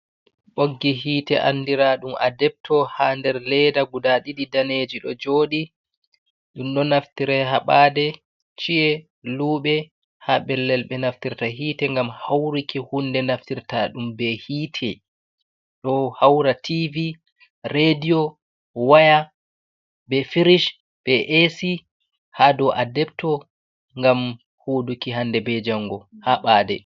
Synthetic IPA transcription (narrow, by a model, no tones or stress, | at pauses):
ɓoɡːiɦiːtɛʔa̰nːdiɾaɗuma̰dɛp̚tʰɔhandɛɾlɛdaɡudaɗiɗidaneːd͡ʒiɗɔd͡ʒoːɗi | ɗumɗɔnaftiɾɛɦaɓaːdɛ | t͡ʃiɛ | luːɓɛ | haɓɛlːɛlɓɛnaftiɾtaɦiːtɛŋɡamhawɾikihundɛnaftiɾtaɗumbɛhiːtʰɛ | ɗɔhawɾatʰivi | ɾediɔ | waja | bɛfiɾiʃ | b̥ɛʔesi | hadɔʔadɛp̚tɔ | ŋɡam | huːdukiɦandɛbɛd͡ʒaŋɡɔhaɓaːdɛ